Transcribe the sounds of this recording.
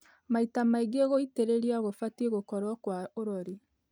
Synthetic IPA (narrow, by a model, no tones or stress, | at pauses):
maitamaiɡeɣoiteɾeɾiaɣofateɣokɔɾwɔkwaoɾɔɾe